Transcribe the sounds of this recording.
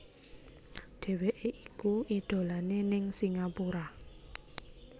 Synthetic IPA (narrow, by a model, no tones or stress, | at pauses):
ɖ̥e̤weʔeʔikuʔid̪̥o̤lanenɪŋsiŋapuɾa